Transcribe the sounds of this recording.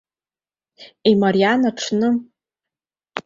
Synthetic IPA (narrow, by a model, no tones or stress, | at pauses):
imaɾijanaʈ͡ʂʰnɨ